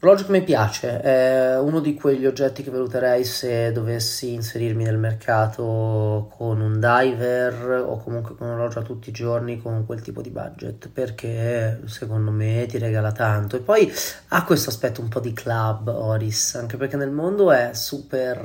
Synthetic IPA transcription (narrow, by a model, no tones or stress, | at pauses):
lɔd͡ʒkemːepjaːt͡ʃeɛunod̪ikweʎːiod͡ʒːɛt̪ːikevːalut̪eɾɛjsed̪ːovesːiːnseɾirminelmerkʰaːt̪ʰokʰonund̪ajvero̰kːomuŋkwekonulɔd͡ʒat̪ːut̪ːiːd͡ʒornikʰoŋkwelt̪ḭːpod̪iba̰d͡ʒːḛt̪perk̟ʰesekond̪omet̪iɾeɡaːlat̪ant̪oepːɔj | akːwest̪oaspɛt̪ːoumpɔd̪ikʰlabːɔɾisaŋk̟eperk̟ːenːelmond̪oɛsuːper